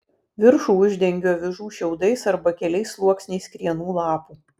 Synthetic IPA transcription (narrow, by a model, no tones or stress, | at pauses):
ʋʲɪɾʃuːʊʒʲd̪ʲɛŋʲɡʲoːʋʲɪʒuːʃʲɛʊd̪ɐɪsɐɾbɐkʲɛlʲɛɪslˠuɔksʲnʲɛɪskɾʲiɛnuːlˠɑːpuː